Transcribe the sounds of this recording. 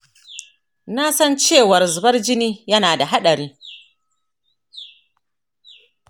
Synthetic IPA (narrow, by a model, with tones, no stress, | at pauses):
na˦sɐ˦nt͡ʃeː˦˨wɐ˨rzʊ˨bɐ˦rd͡ʒɪ˦niː˦jɐ˦naː˨da˨ɦa˦ɗɐ˨ɾiː˦